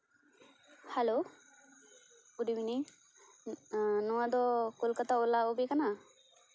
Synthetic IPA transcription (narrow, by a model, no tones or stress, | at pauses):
halo | uɖimini | nɔwad̪ɔkulkat̪aolaobɛkana